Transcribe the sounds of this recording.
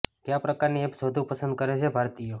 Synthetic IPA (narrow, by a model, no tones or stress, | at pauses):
t̪japɾəkaɾniepsod̪ʱũpəsə̃nd̪̚kəɾet͡ʃʰebʱaɾt̪ijo